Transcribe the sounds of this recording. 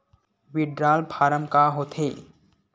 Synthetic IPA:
ʋiɖɾaːlpʰaːɾəmkaɦot̪ʰeː

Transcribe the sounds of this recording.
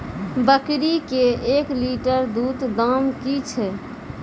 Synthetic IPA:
bəkɾikeekliʈəɾd̪ut̪d̪amkit͡ʃʰɛ

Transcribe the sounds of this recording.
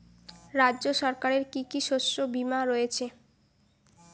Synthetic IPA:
ɾadʑoʃɔɾkaɾeɾkikiʃoʃobimaɾojet͡ɕʰe

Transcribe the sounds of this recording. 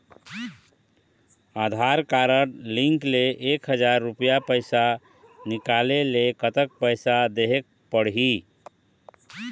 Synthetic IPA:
ad̪ʱaɾkaɾəɽliŋkleʔekɦəd͡ʒaɾːupijapəjsa | nikalelekət̪ək̚pəjsad̪eɦek̚pəɽɦi

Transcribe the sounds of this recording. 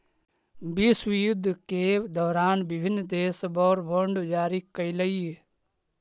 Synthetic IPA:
bisʋijʊd̪ʱːked̪ɔːɾaːnbɪbʱɪnːd̪eːsbɔːɾʋoɳɖd͡ʒaːɾikːəiləi

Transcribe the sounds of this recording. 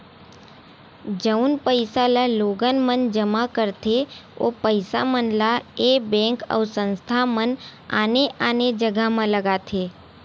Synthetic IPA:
d͡ʒəunpəjsalaloɡənmənd͡ʒəmakəɾt̪ʰeo̰pəjsa̰mənlaebɛ̃ŋkə̰wsə̃nst̪ʰaməna̰neʔaned͡ʒəɡʱamãləɡat̪ʰe

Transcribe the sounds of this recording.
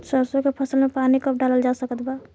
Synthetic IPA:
səɾsokepʰəsəlmepanikəp̚ʰɖaləld͡ʒasəkət̪ba

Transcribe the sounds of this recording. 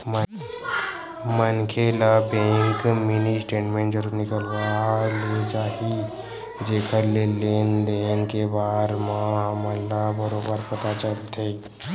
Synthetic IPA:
mə | mənkʰeːlabẽːŋkmɪnisʈẽːʈmẽɳʈd͡ʒəɾunɪkəlwaːled͡ʒaːɦi | d͡ʒeːkʰəɾleleːnd̪eːnkebaːɾmãəməlːabəɾoːbəɾpət̪at͡ʃəlt̪ʰeː

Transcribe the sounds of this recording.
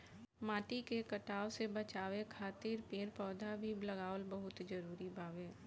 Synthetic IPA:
maːʈikekɐʈaːosebɐt͡ʃaːwekʰaːt̪iːɾpeːɾpɔːd̪ʱabʱilɐɡaːʋlbəɦʊt̪d͡ʒəɾuːɾibʱaːʋẽː

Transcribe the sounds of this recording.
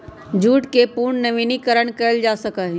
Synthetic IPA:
d͡ʒuːʈkepuːɾɳnɐʋiːnikəɾəɽ̃kɐəld͡ʒaːsɐkaɦĩ

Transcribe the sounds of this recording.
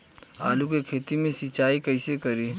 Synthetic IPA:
a̰ːlukekʰeːt̪imẽsɪt͡ʃaːikɐɪsekɐɾiː

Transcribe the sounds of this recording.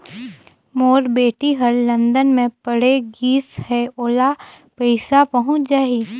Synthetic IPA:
moːɾbeːʈiɦəɾlɐ̃nd̪ənmẽpəɽeɡiːshɛoːla | pɛɪsapɐɦʊ̃t͡ʃd͡ʒaːiː

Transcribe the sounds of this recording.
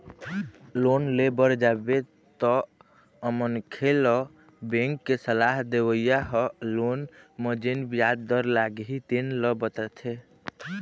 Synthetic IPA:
lonlebəɾd͡ʒabe | t̪ɔ | əmənkʰelɔ | bẽŋkːesəlaɦd̪ewəjaɦɔlonməd͡ʒenbijad̪ːəɾlaɡɦit̪enləbət̪ət̪ʰe

